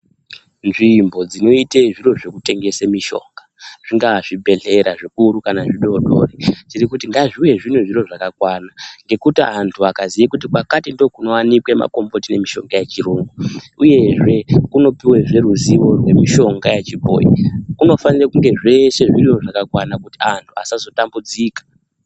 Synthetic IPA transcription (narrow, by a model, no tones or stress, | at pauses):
nʐimbo̞d͡zino̞iteʐiro̞ʐe̞kute̞ŋɡe̞semiʃo̞̰ŋɡaʐ̥iŋɡaʐibʱe̞ɮe̞ɾaʐikuɾukanaʐiɗoɗo̞̰ret͡ʃiɾikutiŋɡaʐiwe̞ʐineʐiɾoʐakakwaːnaŋɡe̞kutiantʰuakazijikutikwakatindo̞kuno̞wanikwe̞ma̰ko̞mbo̞tine̞miʃo̞̰ŋɡajet͡ʃiroːŋɡuuje̞ʐe̞kuno̞piwe̞ʐe̞ruziʋo̞rwe̞miʃo̞ŋɡajet͡ʃibʱo̰ːjḭkuno̞fanirakuŋɡe̞ʐe̞ʃe̞ʐirioʐakakwanakutiantʰua̰sazo̞tambud͡ziːkḁ